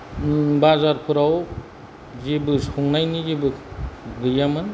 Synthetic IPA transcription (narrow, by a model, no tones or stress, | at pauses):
bazaɾpʰuɾaw | zebɯsuŋnajnizebɯɡɯjamɯn